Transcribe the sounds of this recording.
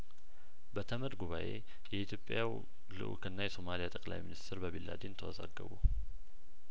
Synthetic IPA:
bət̪ʰəməɾɡuβaʔe̞̰ | jɛʔit̪ʰjo̞pʼːjaw | lɨ̰ʔṵkʰɨnːajɛso̞malijat̪ʼəkʼla̰jminist̪ʰɪɾbəβilːa̰d̪ent̪ʰəwɔza̰ɡːəβṵ

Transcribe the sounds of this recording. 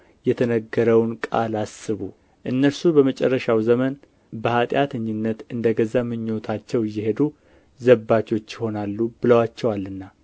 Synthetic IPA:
jɛt̪ʰənəɡːəɾəwnkʼa̰lasɨβu | ʔɨnːəlsubəmət͡ʃʼɛ̰rːəʃawzəmən | bəhat̪ʼjat̪ʰəɲːɪnːət̪ɨnd̪əɡəzamɨɲːo̞t̪ʰat͡ʃːɛwjɪhe̞d̪u | zəbːat͡ʃo̞t͡ʃːjɪho̞nalːubɨləwat͡ʃːɛwalːɨnːa

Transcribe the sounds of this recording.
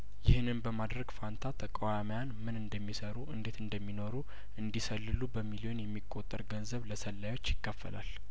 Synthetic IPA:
jɪhɨnɨnbəmad̪ɾəɡfant̪ʰat̪ʰəkʼawamjanmɨnɨnd̪əmːisəɾuʔɨnd̪et̪ɨnd̪əmːino̞ɾu | ʔɨnd̪isəlːɨlubəmilio̞njɛmːikʼːot̪ʼːəɾɡənzəβləsəlːajo̞t͡ʃːjɪkːəfːə̰la̰l

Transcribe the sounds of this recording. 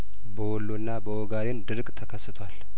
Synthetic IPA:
bəwɔlːunːabəwɔɡaɾend̪ɨɾkʼt̪ʰəkʰəsːɨt̪ʰwʷal

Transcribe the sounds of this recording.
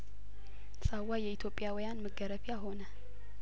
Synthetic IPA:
sʼawajɛit̪ʰjo̞pʼːɪjawijanməɡəɾəβijaɦo̞nə

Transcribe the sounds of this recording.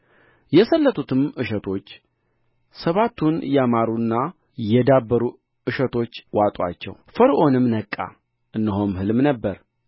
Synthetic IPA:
jɛsəlːət̪ʰut̪ʰɨmɨʃət̪ʰo̞t͡ʃː | səβat̪ːunjɛamaɾunːa | jɛd̪abːəɾu | ɨʃət̪ʰo̞t͡ʃːwat̪ʼwa̰t͡ʃːɛ̰wfəɾʔo̞nɨmnəkʼːa̰ | ʔɨnːɨɦo̞mhɨlmnəbːəɾ

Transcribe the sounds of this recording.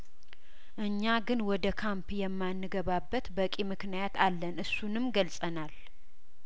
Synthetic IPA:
ʔɨɲːaɡɨnwɔd̪əkʰampjɛmːanːɨɡəβabːət̪bəkʼimɨknijat̪alːənɨsːunɨmɡəlsʼənal

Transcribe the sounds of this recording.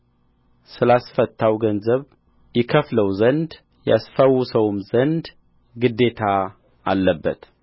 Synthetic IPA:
sɨlasfət̪ːawɡənzəβ | jɪkʰəfləwzənd̪ | ja̰sfəwsəwmzənd̪ | ɡɨd̪ːe̞t̪ʰa | alːəbːə̰t̪

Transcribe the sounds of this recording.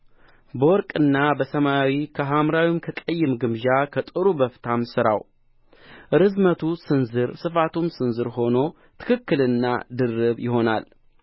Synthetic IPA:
bəwɔɾkʼɨnːabəsəmaawikʰəɦamɾawimkʰəkʼəjːɨmɡɨmʒakʰət̪ʼɨɾubəft̪ʰamsɨɾa̰w | ʔɨɾɨzmət̪ʰusɨnzɨɾsɨfat̪ʰumsɨnzɨɾɦo̞no̞ | t̪ʰɨ̥kʰɨkːɨlɨnːa̰d̪ɨrːɨβjɪɦo̞na̰l

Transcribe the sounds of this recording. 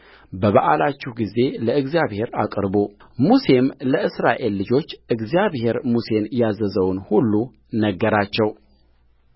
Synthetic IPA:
bəβaʔalat͡ʃːuhɡize̞ləɨɡzjaβhe̞ɾa̰kʼɾbo | muse̞mləɨsɾaʔe̞lːɨd͡ʒo̞t͡ʃːʔɨɡzijaβhe̞ɾmuse̞njazəzəwnhulːu | nəɡːəɾat͡ʃːɛw

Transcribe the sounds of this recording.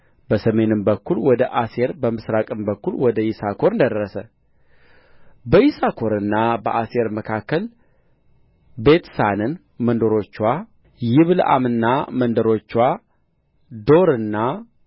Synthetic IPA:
bəsəme̞nɨmbəkːulwɔd̪əʔase̞ɾbəmɨsɾakʼɨmbəkːulwɔd̪əjɪsakʰoɾɨnd̪əd̪əɾːəsə | bəjisakʰo̞ɾɨnːabə̰ʔase̞ɾməkʰakːəl | be̞t̪sanɨn | mənd̪oɾo̞t͡ʃːwa | jɪβlʔa̰mɨnːamənd̪əɾo̞t͡ʃːwa | d̪o̞ɾɨnːa

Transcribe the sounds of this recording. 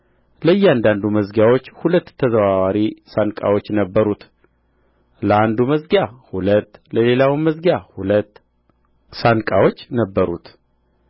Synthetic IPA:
ləɨjːɛand̪and̪uməzɡawo̞t͡ʃːhulət̪ːʰəzəβawaɾisankʼa̰wo̞t͡ʃːnəbːəɾut̪ | ləand̪uməzɡjahulət̪ːləle̞lawiməzɡjahulət̪ː | sankʼawo̞t͡ʃːnəbːəɾṵt̪

